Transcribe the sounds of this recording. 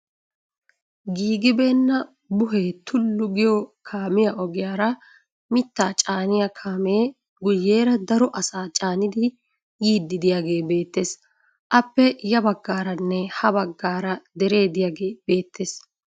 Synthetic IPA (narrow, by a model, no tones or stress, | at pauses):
ɡiːɡɪbe̞ːnːɐ | bʊɦeːt̪ʰʊlːʊɡɪjɔkʰaːmɪjɐʔɔɡɪjaːɾɐ | mɪt̪ːaːt͡ʃʼaːnɪjɐkʰaːmeː | ɡʊjːeːɾɐd̪ɐɾɔʔɐsaːt͡ʃʼaːnɪd̪ɪ | jiːd̪ːɪd̪ɪjaɡe̞ːbe̞ːt̪ːe̞ːs | ʔɐpːɛjɐbɐɡːaːɾɐnːɛhɐbɐɡːaːɾɐd̪ɛɾe̞ːd̪ɪjaːɡe̞ːbe̞ːt̪ʰːeːs